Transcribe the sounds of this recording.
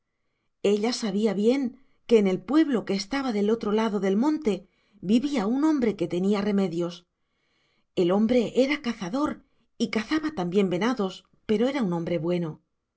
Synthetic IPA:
e̞ʎasaβ̞iaβje̞ŋ | ke̞ːne̞lpwe̞βlo̞ke̞ːst̪aβaðe̞lo̞t̪ɾo̞laðo̞ðe̞lmõ̞nt̪e̞ | biβiaunõ̞mbɾe̞ke̞t̪e̞niare̞me̞ðjo̞s | e̞lo̞mbɾe̞ʔe̞ɾakaθaðo̞ɾ | ikaθaβat̪ambje̞mbe̞naðo̞s | pe̞ɾo̞e̞ɾaunõ̞mbɾe̞βwe̞no̞

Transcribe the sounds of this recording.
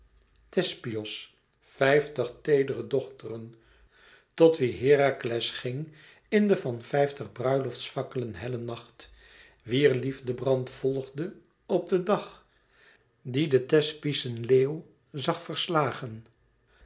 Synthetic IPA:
tɛspiɔs | fɛjftəχtejdərədɔχtərən | tɔtʋiɦɪːraklɛsχɪŋ | ɪndəvɑnfɛjftəχbrœɥlɔftsfɑkələnɦɛlənɑχt | ʋiːɹlivdəbrɑntfɔlˠχdə | ɔb̚dədɑχ | didətɛspisənleːw | zɑχfəɹslaːχən

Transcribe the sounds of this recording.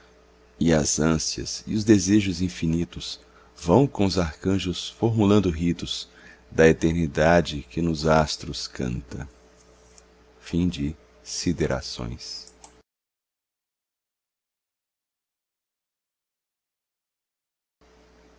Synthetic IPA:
ɪɐzɐ̃siɐ̰sɪ̰ʊzd̪ezeʒʊzĩfinit̪ʊs | vɐ̃w̃kõʊzaɾkɐ̃ʒʊsfoɾmulɐ̃nd̪ʊɦit̪ʊz̥ | d̪ɐet̪eɾnid̪ad͡ʒɪkɪnʊzast̪ɾʊskʰɐ̰̃nt̪ɐ̰̃ | fĩd͡ʒɪ | sid̪eɾʔa̰sõ̰j̃s

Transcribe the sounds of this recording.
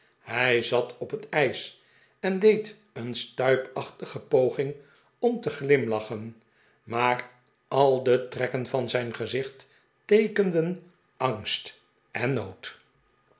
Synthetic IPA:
hɛjzɑtʰɔpətɛjs | ɛndejt | ənstœɥpɑχtəχəpowχɪŋ | ɔmtəχlɪmlɑχən | maːr | ɑlˠdətrɛkənvɑnzɛjnχəzɪχt | ejkəndən | ɑŋst | ɛnːowt

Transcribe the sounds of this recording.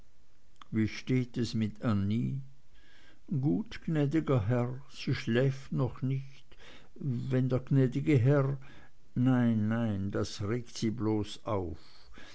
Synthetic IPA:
viːʃteːtɛsmɪtʰaniː | ɡ̥uːtɡ̥nɛːdɪɡɐɦɛʁ | siːʃlɛːftnɔχnɪçt | vɛndeːɐɡnɛːdɪɡəɦɛʁ | naɪnːaɪnd̥asʁeːktsiːbloːsaʊf

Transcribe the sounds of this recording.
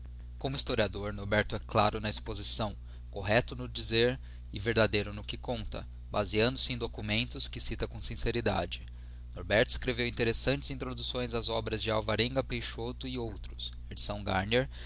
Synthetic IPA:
kõmʊist̪oɾiad̪oɾnoɾbɛɾt̪ʊɛkla̰ɾʊnɐispozisɐ̃w̃ | koɦɛt̪ʊnʊd͡ʒizeɾ | ɪveɾd̪ad̪ejɾʊnʊkɪkõnt̪ɐ̰ | baziɐ̃nd̪ʊsɪẽd̪okumẽnt̪ʊskɪsit̪ɐkõsĩseɾid̪a̰d͡ʒɪ | noɾbɛɾt̪ʊiskɾevewĩnt̪eɾesɐ̃nt͡ʃɪzĩnt̪ɾod̪usõj̃zɐzɔbɾɐzd͡ʒɪawvaɾẽŋɡɐpejʃot̪ʊɪowt̪ɾʊs | ed͡ʒi̥sɐ̃w̃ɡa̰ɾneɾ

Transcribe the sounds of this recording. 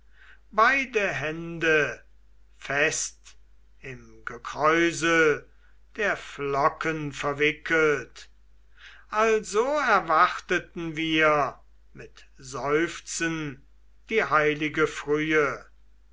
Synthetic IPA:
baɪdəɦɛndə | fɛst | ɪmɡəkʁ̥ɔʏzə | d̥eːɐflɔkənfɛɐvɪkʰəlt | ʔalzoːɛɐvaχtətn̩viːɐ | mɪt | zɔʏft͡sən | d̥iːhaɪlɪɡəfʁyːə

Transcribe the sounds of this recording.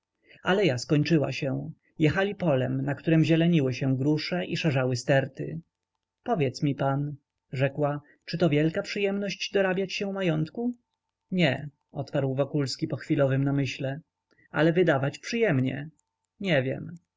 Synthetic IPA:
alɛjaskɔɲt͡ʂɘwa̰ɕɛw̃ | jɛxalʲipɔlɛmnakt̪uɾɛmʑɛlɛɲiwɘɕɛɡɾuʂɛʔiʂɛʐawɘst̪ɛɾt̪ɘ̰ | pɔvʲjɛt̪smʲipan | ʐɛkwa | t͡ʂɘt̪ɔvʲjɛlkapʂɘjɛmnɔɕd͡ʑd̪ɔɾabʲjat͡ɕɕɛ̃majɔnt̪ku | ɲɛ | ɔt̪paɾwvɔkulskʲipɔxfʲilɔvɘmnamɘɕlɛ | a̰lɛvɘd̪avat͡ɕpʂɘjɛmɲɛ̰ | ɲɛvʲjɛ̰m

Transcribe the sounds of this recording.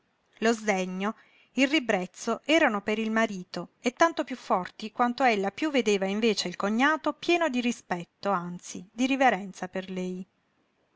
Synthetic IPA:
lozd̪ɛɲːo | ilrːibɾɛt̪sːoʔɛːɾanopeɾilmaɾiːt̪oet̪ːant̪opjufːɔrt̪ikwant̪oelːapjuvːed̪eːvaiɱveːt͡ʃeilkoɲːaːt̪opjɛːnod̪iɾispɛt̪ːoant̪sid̪iɾiveɾɛnt̪saperlɛj

